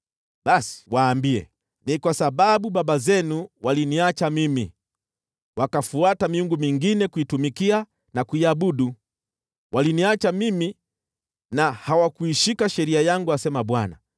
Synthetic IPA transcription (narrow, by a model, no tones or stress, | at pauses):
basi̥waːmbiɛ̰ | nikwasababubabazɛnuwaliniat͡ʃamimi | wakafuatamiuŋɡumiŋɡinɛkuitumikia | nakuiabuɗu | wʔaliniat͡ʃamimi | nahawakuiʃikaʃɛɾiajaŋɡuasɛmaɓwana̰